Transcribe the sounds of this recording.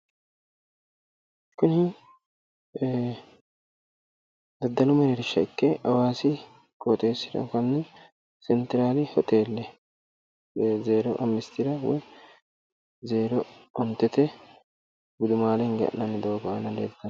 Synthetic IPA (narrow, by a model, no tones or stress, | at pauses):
kʊnɪ | d̪ɐd̪ːɐlʊmɛɾɛɾɪʃːɐɪkːɛʔɐwaːsɪ | kʼot̪ʼe̞ːsːɪd̪ɐ̰kɐnːɛ | sɛnt̪ɪɾaːlɪhɔt̪ʼe̞ːlːɛ | zeːɾɔʔɐmːɪst̪ɪɾɐwɔ̰j | zeːɾɔɔnt̪ːɛt̪ɛ | ɡʊd̪ʊmaːlɛŋɡɐ̰ʔnɐnːɪd̪ɐɡɐanɐlḛːd̪d̪ɐ